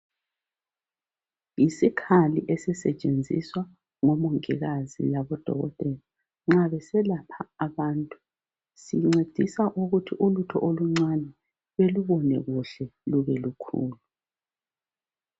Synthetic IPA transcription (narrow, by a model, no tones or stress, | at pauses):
jisikʰalḭʔɛsɛsɛt͡ʃʼend͡zʱḭswa | ŋɔmoŋḭɣazḭlaβɔd̥ʱɔ̰ɣɔ̰tʼɛla | ŋ͡ǁaβɛsɛlapʰaːβaːntʼu | siŋ͡ǀed̥ʱisaʔuɣutʰiʔulutʰɔ̰ʔoluŋ͡ǀanɛ | βeluβɔnɛɣuɬɛluβɛlukʰṵːlu